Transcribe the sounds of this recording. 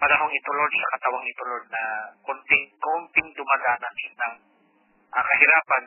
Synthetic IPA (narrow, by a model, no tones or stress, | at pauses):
pɐnɐɦoŋɪt̪ʊlod̪̚sɐkɐt̪ɐwaŋɪt̪ʊlod̪̚nɐkʊnt̪ɪŋkont̪ɪŋd̪ʊmad̪aːnɐt̪nɐŋ | ʔɐkɐhɪɾaːpɐn